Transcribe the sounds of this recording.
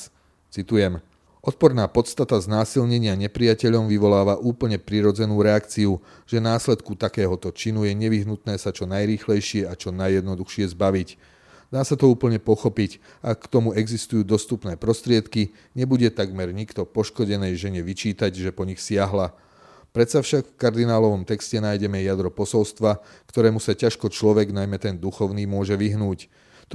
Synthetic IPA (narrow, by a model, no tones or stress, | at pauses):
t͡sit̪ujɛm | ɔt̪̚pɔɾnaːpɔt̪st̪at̪aznaːsilɲɛɲɪaɲɛpɾijacɛʎɔmʋiʋɔlaːʋaʔuːpl̩ɲɛpɾiɾɔd͡zɛnuːɾɛakt͡siu | ʒɛnaːslɛt̪kut̪akɛːɦɔt̪ɔt͡ʃinujɛɲɛʋiɦnut̪nɛːsat͡ʃɔnajɾiːxlɛjʃɪɛat͡ʃɔnajːɛd̪nɔd̪uxʃɪɛzbaʋic | d̪aːsat̪ɔuːpl̩ɲɛpɔxɔpic | akːt̪ɔmuɛɡzist̪ujuːd̪ɔst̪upnɛːpɾɔst̪ɾɪɛt̪ki | ɲɛbuɟɛt̪aɡmɛɾɲikt̪ɔpɔʃkɔɟɛnɛjʒɛɲɛʋit͡ʃiːt̪aɟʒɛpɔɲixsɪaɦla | pɾɛt̪safʃakfkaɾd̪inaːlɔʋɔmt̪ɛkscɛnaːjɟɛmɛjad̪ɾɔpɔsɔlst̪ʋa | kt̪ɔɾɛːmusacaʃkɔt͡ʃlɔʋɛɡnajmɛt̪ɛnd̪uxɔʊniːmʊɔʒɛʋiɦnuːc | t̪